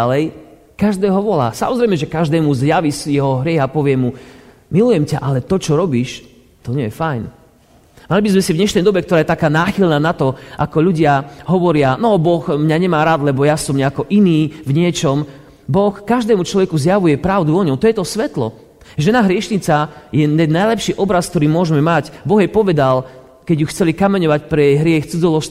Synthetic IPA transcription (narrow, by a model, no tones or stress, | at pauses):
alɛj | kaʒd̪ɛːɦɔʋɔla̰ːsa̰mɔzɾɛɪmɛʒɛkaʒd̪ɛːmuzjaʋisjɛɦɔɦɾɪɛɣapɔʋɪɛmu | milujɛmcaʔalɛt̪ɔt͡ʃɔɾɔbiːʃ | t̪ɔɲɛjɛfajn | malibizmɛsivɲɛʃnɛjd̪ɔbɛkt̪ɔɾaːjɛt̪akaːnaːxilnaːnat̪ɔʔakɔʎuɟɪaɦɔʋɔɾɪanɔbɔxmɲaɲɛmaːɾaːd̪lɛbɔjasɔmɲɛakɔʔiniːvɲɪɛt͡ʃɔm | bɔxkaʒd̪ɛːmut͡ʃlɔʋɛkuzjaʋujɛpɾaʊd̪uɔɲɔʊt̪ɔjɛt̪ɔsʋɛt̪lɔ̰ | ʒɛnaɦɾɪɛʃɲit͡sajɛɛnːajlɛpʃiːʔɔbɾask̚t̪ɔɾiːmʊɔʒmɛmacbɔɣjɛpɔʋɛd̪al | kɛɟjuxt͡sɛlikamɛɲɔʋacpɾɛjɛjɦɾɪɛxt͡sud͡zɔlɔʃ